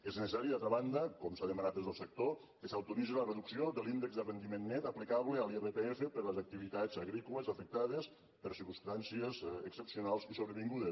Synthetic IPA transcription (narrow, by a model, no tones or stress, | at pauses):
eznəsesaɾiðalt̪ɾəβand̪əkɔmsaðəmanat̪d̪ezðəlˠsək̚t̪o | kəsawt̪umizeləreðuksiod̪əlind̪əɡzd̪ərənd̪imenːɛt̪əplikaβləəlˠiβep̪eefəpəɾləzak̚t̪iβit̪azəɣɾikuləzafək̚t̪aðəs | pəɾsiɾkust̪ansiəzəksəpsiunalˠzisoβɾəβiŋɡuðə